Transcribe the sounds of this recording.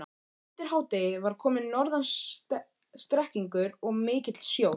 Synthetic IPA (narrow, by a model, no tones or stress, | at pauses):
t̪ɪɾ̥haːwt̪ɪvaɾ̥kʰɔːmɪnːɔɾðans | st̪ɾɛhciŋkʏɾɔɣmɪːcɪt̪l̥sjoːw